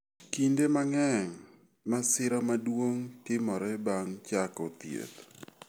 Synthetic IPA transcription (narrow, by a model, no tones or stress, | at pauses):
kindemaŋɛŋ | masɪɾɔmadwoŋtɪmɔɾɛbaŋt͡ʃakot̪jḛt̪